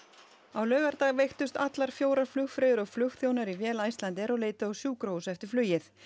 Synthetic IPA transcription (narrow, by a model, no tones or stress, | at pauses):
awlœːɣɛɾt̪aɣvejxt̪ʏst̪at̪laɾ̥fjoːwɾaɾ̥flʏxfɾeːðʏɾɔɣflʏxθjoːwnaɾivjɛːlajst̪lant̪̬ɪɛɾɔleːjt̪aɔɣsjuːkɾoːwsɛft̪ɪɾ̥flyːjɪθ